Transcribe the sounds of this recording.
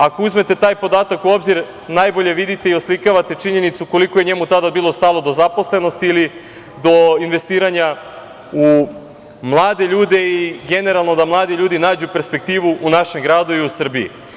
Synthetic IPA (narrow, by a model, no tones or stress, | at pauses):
ako̞uzme̞t̪e̞t̪aːjpo̞d̪aːt̪akuo̞bziɾ | najbo̞ʎe̞ʋid̪it̪eio̞slikaʋat̪e̞t͡ʃiɲe̞nit̪suko̞likoje̞ɲe̞mut̪ad̪abiːlo̞st̪aːlo̞d̪o̞zapo̞sle̞no̞st̪iili | d̪o̞inʋe̞st̪iːɾaɲa | u | mlˠaːd̪e̞ʎuːd̪e̞iɡe̞ne̞ɾalˠno̞d̪amlˠaːd̪iʎuːd̪inaːd͡ʑupe̞ɾspe̞k̚t̪iːʋuʔunaʃe̞mɡɾaːd̪uiusr̩biḭ